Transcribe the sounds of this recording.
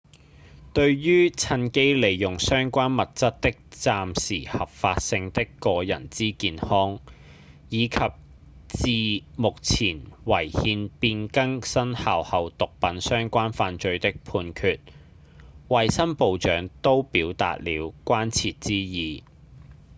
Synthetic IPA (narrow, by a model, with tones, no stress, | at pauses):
t̪ɵ˧ɥɥyː˥t͡sʰɐ˧nke˥jle˨jːʊ˨ŋsœː˥ŋkʷaː˥nmɐ˨t̚t͡sɐ˥t̚t̪ɪ˥k̚t͡saː˨msiː˨˩hɐ˨˩p̚faː˧t̚sɪ˧ŋt̪ɪ˥kːɔː˧jɐ̰˨˩nt͡siː˥kiː˧nhɔː˥ŋ | jiː˨˧kʰɐ˨p̚ | t͡siː˨mʊ˨k̚t͡sʰiː˨˩nwɐ˨˩jhiː˧npiː˧nkɐ˥ŋsɐ˥nhaː˨whɐ˨˧wt̪ʊ˨k̚pɐ˨˥nsœː˥ŋkʷaː˥nfaː˧nt͡ʃɵ˧ɥt̪ɪ˥k̚pʰuː˧nkʰyː˨˧t̚ | wɐ˨jsɐ˥npo˨˧wt͡ʃœ̰ː˨˥ŋt̪o˥wpiː˨˥wt̪a̰ː˨t̚lḭː˨˧wkʷaː˥nt͡sʰiː˨t̚t͡siː˥jiː˨